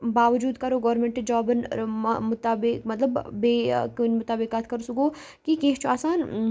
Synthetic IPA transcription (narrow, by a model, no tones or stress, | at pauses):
baːʋɐd͡ʒuːd̪kɐɾoɡɔːɾmẽɳʈed͡ʒɔːbənmʊt̪aːbɪkmɐt̪ləbːeːkonmʊt̪aːbɪkaːt̪ʰkɐɾosukoː | kikẽːɦt͡ʃʰuaːsaːn